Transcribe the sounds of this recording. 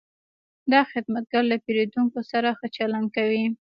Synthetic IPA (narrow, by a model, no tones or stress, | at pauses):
d̪ɑxɪd̪mat̪̚ɡaɾlapeɾed̪uŋkosaɾaxət͡ʃalankawi